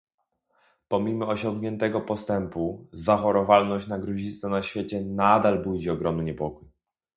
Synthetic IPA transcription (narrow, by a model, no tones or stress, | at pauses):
pɔmʲimɔɔɕɔ̃ŋɡɲɛnt̪ɛɡɔpɔst̪ɛmpuzaxɔɾɔvalnɔɕt͡ɕnaɡɾɔʑisanaɕfʲjet͡ɕɛnad̪albud͡ʑiɔɡɾɔmnɘɲɛpɔkuj